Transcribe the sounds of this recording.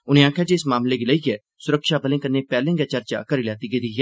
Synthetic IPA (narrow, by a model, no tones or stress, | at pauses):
ʊnẽãːkʰjat͡ʃeːsmaːmleɡɪlaiɡɛː | sʊɾəkʃabəlẽːkɐnːepɛːlẽːŋɡjat͡ʃɐɾt͡ʃa̰kɐɾilɛːt̪iɡed̪iɛ